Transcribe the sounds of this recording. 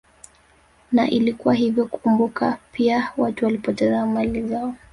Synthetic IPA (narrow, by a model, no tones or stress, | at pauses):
naʔilikuwaɦivjɔkukumbukapʰiawatuwalipɔtɛzamalizaɔ